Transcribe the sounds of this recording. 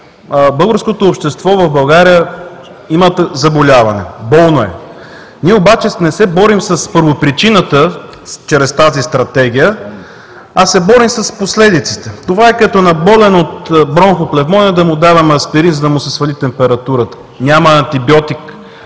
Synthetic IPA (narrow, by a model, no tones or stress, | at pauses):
bɤlˠɡəɾskot̪oːpʃt̪ɛst̪vɔvɐvbɐlˠɡaɾijə | imət̪zɐbolʲavɐnɛ̰bɔlˠnoɛ | niɛobat͡ʃɛnɛsɛbɔɾimsɐspɤɾvopɾit͡ʃinət̪ə | t͡ʃɾɛst̪azist̪ɾɐt̪ɛɡ̟ʲijə | asɛbɔɾimsɐsposlɛd̪it̪si̥t̪ɛt̪ovaɛkɐt̪ɔnɐbɔlɛnot̪bɾɔnxoplɛvmɔnʲəd̪ɐmʊd̪avɐmɐspɛɾinzɐd̪ɐmʊsɛsvɐlit̪ɛmpɛɾɐt̪uɾət̪ə̥ | nʲaməːnt̪ibjɔt̪ik